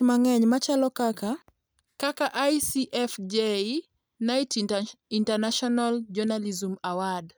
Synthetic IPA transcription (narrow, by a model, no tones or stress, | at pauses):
maŋɛɲmat͡ʃalɔkaka | kakaʔajsiʔɛfd͡ʒe | naitintanaʃɔnald͡ʒɔnalizumawad